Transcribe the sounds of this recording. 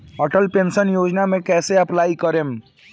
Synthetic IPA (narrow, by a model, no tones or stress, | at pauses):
ɔʈəlpẽːnʃənjoːd͡ʒnamẽkɛːseɐplaːikəɾem